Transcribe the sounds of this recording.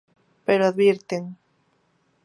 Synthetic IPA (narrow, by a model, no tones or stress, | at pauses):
peɾoaðβiɾt̪eŋ